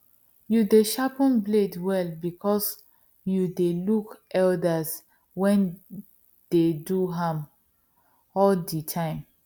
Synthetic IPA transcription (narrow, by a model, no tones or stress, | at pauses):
judeʃapə̃nbledwɛlbikʰɔs | judelukʔɛldas | wɛ̃n | d̥eduɦãm | ɔlditʰãɪ̃m